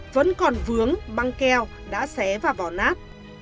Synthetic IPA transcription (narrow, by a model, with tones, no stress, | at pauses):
və̰˧˥nkɔ˨˩nvɨ˨˦əŋɓa˧ŋkɛ˧w | ɗa̰ː˧˥sɛ˨˦vaː˨˩vɔ˧˩naː˦˥t̚